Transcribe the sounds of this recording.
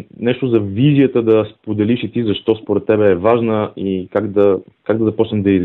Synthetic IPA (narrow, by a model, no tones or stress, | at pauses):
nɛʃt̪ʊzɐvizijət̪əd̪ɐspod̪ɛliʃit̪izɐʃt̪ɔspoɾɛt̪ːɛbɛːvaʒnəikaɡd̪ɐkaɡd̪ɐzɐpɔt͡ʃnɛmd̪ɐi